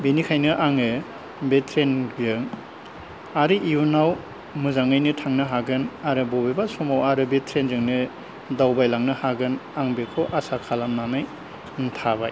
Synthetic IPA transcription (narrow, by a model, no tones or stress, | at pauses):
benikʰajnɯʔaŋɯ | betʰɾenɡɯŋ | aɾɯʔiunaw | muzaŋajnɯtʰaŋnɯɦaɡɯnaɾɯbɔbebasɔmawaɾɯbetʰɾenzɯŋnɯ | dawbajlaŋnɯhaɡɯnaŋbekʰoʔasakʰalamnamɯj | n̩tʰaba̰j